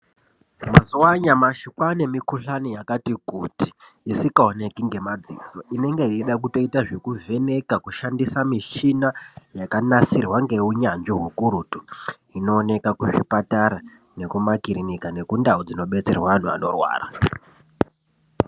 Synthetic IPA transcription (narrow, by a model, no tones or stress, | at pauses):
mazuwaɲamaʃikwane̞mikuɬanijakatikutiː | sikaone̞kiŋɡe̞mad͡zḭːd͡zoʔine̞ŋɡeɦieɗak̬uto̞itaʐekuve̞ne̞kakuʃandisamiʃinajakanasirwaŋɡeuɲanʐiɦukuɾutu | ino̞ːne̞kakuʂipataɾa | ne̞kumakiɾinikane̞kundaod͡zino̞ɓe̞t͡se̞rwaʋan̤ua̰no̞̰rwa̰ːra̰